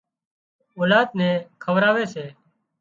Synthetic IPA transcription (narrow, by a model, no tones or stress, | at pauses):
oːlaːd̪nɛ̃ːkʰəʋɾaːʋeːseː